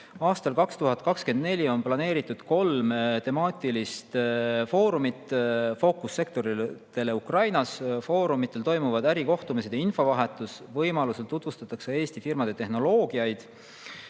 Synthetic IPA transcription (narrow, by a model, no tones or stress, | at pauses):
ɑːst̪ɑlkɑkst̪uɦɑd̪̚kɑkske̞nd̪̥ne̞lʲio̞nplɑne̞ːɾit̪ːˑud̪̥ko̞lmt̪e̞mɑːt̪ilist̪fo̞ːɾumit̪ˑfo̞kusːe̞k̚t̪o̞ɾit̪e̞le̞ukrɑjnɑsfo̞ːɾumit̪ːˑe̞lt̪o̞jmuvɑd̪æɾiko̞ht̪umis̬e̞d̪einfo̞vɑɦe̞t̪ːˑus | vɤjmɑluselt̪ːut̪vust̪ɑt̪ːˑɑksee̞ːst̪ifirmɑd̪̥e̞t̪e̞hno̞lo̞ːɡiɑjd̪̥